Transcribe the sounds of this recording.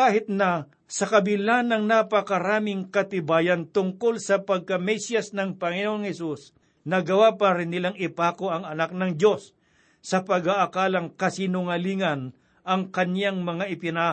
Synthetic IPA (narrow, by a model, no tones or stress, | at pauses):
kaːhɪt̪nɐ | sɐkɐbɪlanɐŋnapɐkɐɾaːmɪŋkɐt̪ɪbaːjɐnt̪ʊŋkolsɐpɐɡ̚kɐmɛsjɐsnɐŋpɐŋɪnoʔoŋhɛsus | nɐɡɐwapaɾɪnːɪlaŋɪpaːkoɐŋɐnak̚nɐŋd͡ʒo̞sː | ɐpɐɡaʔːkaːlɐŋkɐsinʊŋɐliːŋɐn | ʔɐŋkɐnjaŋmɐŋaʔɪpɪna